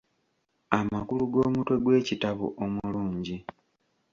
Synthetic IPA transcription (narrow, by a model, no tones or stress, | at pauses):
amakuluɡo̞ːmutwe̞ɡwe̞ːcitaβṵʔomuuluːɲɟi